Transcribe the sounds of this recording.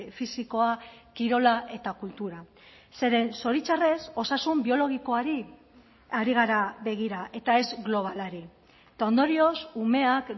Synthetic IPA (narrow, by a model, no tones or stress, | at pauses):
fisiko̞akiɾo̞laʔe̞t̪akult̪uɾa | se̞ɾe̞nso̞ɾit͡ʃare̞so̞sasumbio̞lo̞ɣ̞iko̞aɾi | aɾiɣ̞aɾaβe̞ɣ̞iɾaʔe̞t̪ae̞zɣlo̞β̞alaɾi | t̪ao̞nd̪o̞ɾio̞sume̞ak